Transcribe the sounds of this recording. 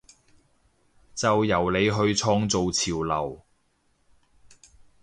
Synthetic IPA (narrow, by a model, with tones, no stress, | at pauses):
t͡sɐ˨wjɐ˨˩wle˨˧jɦɵ˧ɥt͡sʰɔː˧ŋt͡so˨wt͡sʰiː˨˩wlɐ̰˨˩w